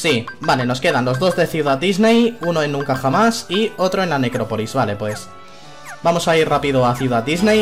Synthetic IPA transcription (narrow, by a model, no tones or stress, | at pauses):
sibale̞no̞ske̞ð̞anlo̞zðo̞zðe̞θjuðat̪̚d̪izne̞juno̞e̞nːũŋkaxamasio̞t̪ɾo̞e̞nlane̞kɾo̞po̞lizβale̞pwe̞s | bamo̞sairrapið̞oaθjuðat̪d̪izne̞j